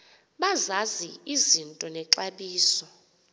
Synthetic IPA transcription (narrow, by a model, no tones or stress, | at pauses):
ɓazaziizintʼɔnɛǁaɓiːsɔ